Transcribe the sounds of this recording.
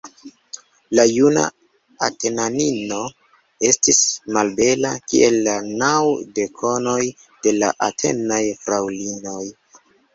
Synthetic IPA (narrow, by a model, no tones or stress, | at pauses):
lajuna̰ | a̰te̞nanino̞ | e̞stismalbe̞la̰kḭʔe̞lːanawde̞kʰo̞no̞j | d̥e̞la̰ʔatʰe̞̰najfɾawlino̞j